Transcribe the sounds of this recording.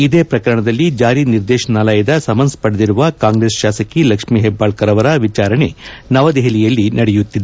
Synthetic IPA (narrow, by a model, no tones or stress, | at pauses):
id̪eːpɾɐkɐɾɐɳɐd̪ɐlːid͡ʒaːɾiniɾd̪ɛːʃɐnaːlɐjɐd̪ɐsɐmɐnspɐɽɐd̪iɾuʋɐkaːŋɡɾeːsʃaːsɐkilɐkʂmiɦɛbːaːɭkɐɾɐʋɐɾaʋit͡ʃaːɾɐɳenɐʋɐd̪ɛɦɐlijɐlːinʔɐɽɛjut̪ːid̪e